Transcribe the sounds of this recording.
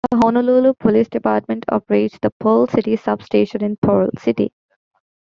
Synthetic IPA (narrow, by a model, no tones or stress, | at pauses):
d̪ɦonoloːlupʰɔliːsɖɪpaːɾʈ̚mẽɳʈʰɔ̰ːpəɾeːʈd̪əpʰoːlsɪʈisʌbsʈeːʃə̃nɪ̃npʰoːɾlsɪʈḭ